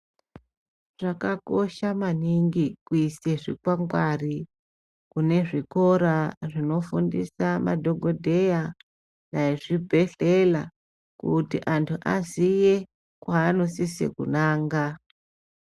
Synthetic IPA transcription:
ʐ̥akako̞ʃamaniŋɡikuiseʐḭkwaŋɡwari | kune̞ʐiko̞ɾaʐino̞fundisama̰dʱo̞ɡʱodʱe̞ja | naiʐibʱe̞ɬe̞la | kutḭʔantʰuʔazije | kwaːnosisḛkunaːŋɡa

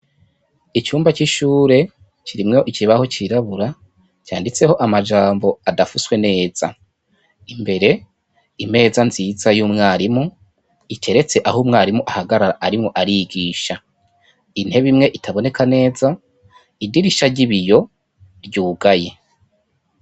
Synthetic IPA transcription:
it͡ʃuːmbat͡ʃiʃuːɾe̞ | t͡ʃiɾimŋo̞ʔiciβaho̞t͡ʃiɾaβuɾa | t͡ʃaːndit͡se̞ho̞ʔamad͡ʒaːmbo̞adafuswe̞ne̞ːz̥a | imbe̞ɾe̞ | ime̞ːzanziːzajuːmŋaːɾimu | itʰe̞ɾe̞t͡se̞ʔahumŋaːɾimuʔahaɡaɾaɾaʔaɾimŋoʔaɾiɡiːʃa | inhe̞βimŋe̞ʔitʰaβo̞ne̞kʰane̞ːza | idiɾiʃaɾɟiβijo̞ | ɾɟuːɡaje̞

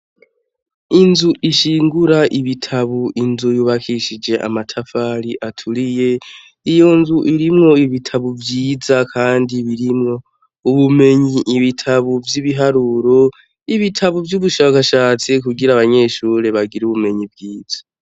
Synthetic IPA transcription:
inzuʔiʃiːŋɡuɾaʔiβitʰaβuʔinzujuβakʰiʃid͡ʒe̞ʔa̰matʰafaɾiʔatʰuɾije̞ | ijo̞nzuʔiɾimŋo̞iβitʰaβuvjiːzakʰaːndiβiɾimŋo̞ | uβume̞ɲiʔːβitʰaβuvjiβiɦaɾuɾo̞ | iβitʰaβuvjuβuʃaːkaʃaːt͡sikuɡiɾaβaɲe̞ʃuːɾe̞βaɡiɾuβume̞ɲibɡiːz̥ḁ

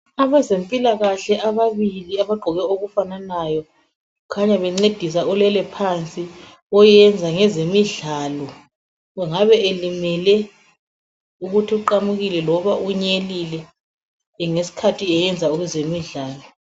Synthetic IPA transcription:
aβɛzempʼilaɣaɬɛʔaβaβiliaβaɡ͡ǃʱɔɣɛoɣufananajɔ | ukʰaɲaβɛŋ͡ǀed̥ʱis̬aɔlɛlɛpʰant͡sʼi | ɔjɛnd͡zʱaŋɛzemiɮaːlɔ | ɣɛŋaβɛʔelimɛlɛ | uɣutʰiuǃamuɣilɛlɔβaʔuɲelilɛ | ŋesi̥kʰatʰiɛjɛnd͡zʱauɣuzemiɮaːlɔ

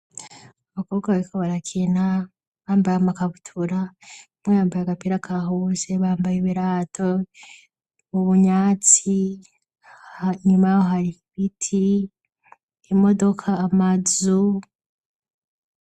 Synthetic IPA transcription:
aβako̞ːɡaβaɾikʰoβaɾakʰena | βaːmbaɾamakaβutʰuɾa | mwejaːmbajaɡapiɾakʰaɦoze̞βaːmbajeβiɾaːtʰo | uβuɲaːt͡si | haɲumajoɦaɾiβitʰi | imo̞do̞kʰaːmazu

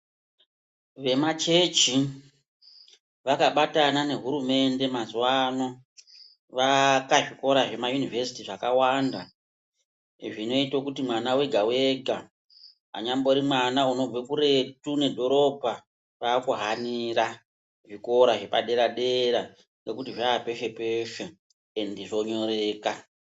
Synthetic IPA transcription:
ʋe̞mat͡ʃe̞t͡ʃi | ʋakaɓatanane̞ɦuɾume̞nde̞mazwano | ʋakaʐiko̞ɾaʐe̞majunivʱesi̥tiʐakawanda | ʐino̞itokutimwanawe̞ɡʱawe̞ɡʱa | ɦa̰ɲambo̞ɾimwanauno̞b͡vekuɾe̞tune̞dʱo̞ɾo̞bʱa | ʋaːkuɦaniɾa | ʐiko̞ɾaʐe̞pa̰ɗe̞ɾaɗe̞ɾa | ŋɡe̞kutiʐaːpe̞ʃe̞pe̞ʃe | endiʐo̞ɲo̞ɾe̞ːka

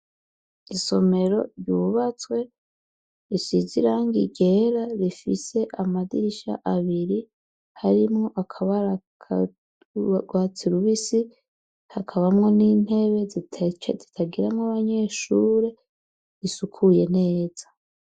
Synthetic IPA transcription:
iso̞me̞ɾo̞̰ɾjuːβat͡swe̞ | ɾisiziɾaːŋɡiɟe̞ɾaɾifise̞ʔamadiɾiʃa̰ʔaβiɾi | haɾimŋo̞ʔakʰaβaɾa | ɡwaːt͡siɾuβisi | hakʰaβamŋo̞nin̥he̞βe̞zitʰat͡ʃḛzitʰaɡiɾamŋaβaɲe̞ːʃuːɾe̞ | ɾisukʰuje̞ne̞ːz̥ḁ

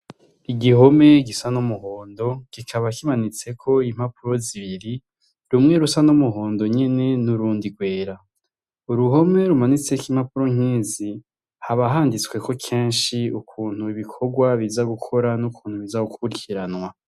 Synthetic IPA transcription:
iɡiɦo̞me̞ɡisanomuhoːndo̞ɡ̥ikʰaβakimanit͡se̞kʰo̞im̥hapuɾo̞ziβiɾi | ɾumŋe̞ɾusanumuɦo̞ːndo̞ɲe̞ne̞nuɾuːndiɡwe̞ːɾa | uɾuɦo̞me̞ɾumanit͡se̞kimhapuɾo̞ŋ̥iːzi | haβaɦaːndit͡swe̞kʰo̞kʰe̞ːnʃiukʰuːn̥huiβikʰo̞ɡwaβizaɡukʰo̞ɾanukʰuːnhuβizaukuɾikʰiɾanŋwa

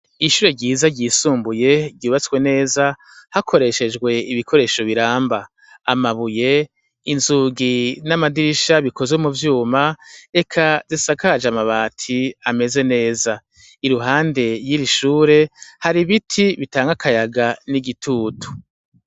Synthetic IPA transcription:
iʃuɾe̞ɟiːzaɟiːsuːmbuje̞ɟuːβat͡skwe̞ne̞ːza | hakʰo̞ɾe̞ʃe̞d͡ʒɡwe̞iβikʰo̞ɾe̞ːʃo̞βiɾaːmbaː | maβuje̞ | inzuːɡinamadiɾiʃaβikʰo̞zomuvjuːmae̞kʰazisakad͡ʒamaβaːtʰiame̞ze̞ne̞ːza | iɾuɦaːnde̞jiɾiʃuːɾe̞haɾiβitʰiβitaːŋɡakʰajaɡaniɡitʰuːtʰu̥

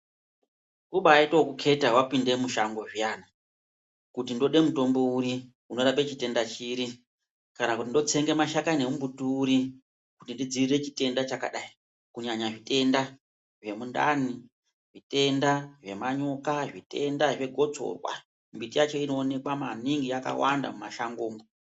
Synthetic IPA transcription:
kuɓaːitokukʰe̞tawapinde̞muʃaŋɡo̞ʐijana | kutindo̞ɗe̞muto̞mbo̞uɾi | uno̞ɾap̬e̞t͡ʃite̞ndat͡ʃiːɾi | kanakutindo̞t͡se̞ŋɡe̞maʃakane̞mumbutuːɾi | kutindid͡ziire̞t͡ʃite̞ndat͡ʃaka̰ɗai | kuɲaɲaʐite̞nda | ʐe̞munda̰ni | ʐite̞ndaʐe̞maɲo̞kaʐite̞ndaʐe̞ɡʱo̞t͡so̞̰rwa̰ | mbitijat͡ʃo̞ino̞ːne̞kwama̰niŋɡijaka̰wanda̰mumaʃaŋɡoːmo

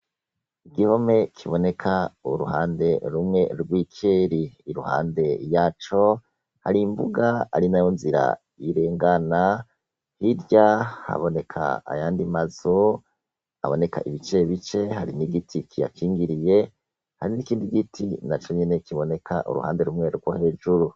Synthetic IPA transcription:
iɡihome̞kʰiβo̞ne̞kʰaṵɾṵhaːnde̞ɾumŋe̞ɾɡwikʰeɾiːɾuha̰ːnde̞jaːt͡ʃo̞ | ha̰ɾimbuɡaaɾinajonziɾa̰ | iɾe̞ːŋɡana | hiɾɟaha̰βo̞ne̞kʰa̰ːjaːndimazo | a̰βo̞ne̞ka̰ʔiβit͡ʃe̞βit͡ʃe̞haɾiniɡitʰikʰija̰kiːŋɡiɾije̞ | haɾinikiːndiɡitʰḭnat͡ʃoɲene̞kiβo̞ne̞kʰa̰ʔṵɾṵha̰ːnde̞ɾumŋe̞ɾɡwohe̞ːʒuɾu

